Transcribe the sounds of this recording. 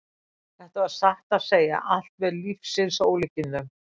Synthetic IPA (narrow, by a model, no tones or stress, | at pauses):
θɛht̪avaðsaht̪aðseːja̰ʔal̥t̪vɛɾlifsɪnsoːwlɪcɪnðʏm